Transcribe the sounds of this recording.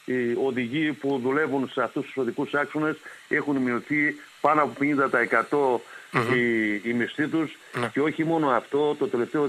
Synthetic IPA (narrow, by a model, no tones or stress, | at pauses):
io̞ðiʝipuðule̞vunseɐft̪ust̪u̥so̞ðikusɐksone̞se̞xunimioθi | pɐnoɐpo̞peɲind̪ɐt̪ɐe̞kɐt̪o̞iːmist̪it̪us | ce̞o̞çimo̞no̞ɐft̪o̞t̪ot̪e̞le̞ft̪eo